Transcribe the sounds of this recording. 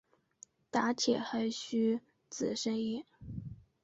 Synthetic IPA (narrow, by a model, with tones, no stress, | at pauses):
t̪a˧˥t͡ɕʰjɛ̰˨˩xa˧˥ɪɕy˥ | t͡sɹ̩˨˩ʂə˥ŋi˥˩